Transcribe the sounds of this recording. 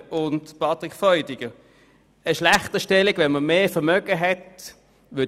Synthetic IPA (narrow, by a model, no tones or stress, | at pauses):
ʊntpʰɑtʁɪkfɔʏdɪɡ̥ə | əʃlaχtəʃtɛliɡʋɛnməmeːfəmœɡəɦɛt | vʏɐ